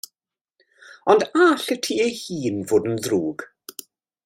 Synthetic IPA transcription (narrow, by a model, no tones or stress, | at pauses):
ɔndaɬətʰiːejhiːnvoːdənðruːɡ̥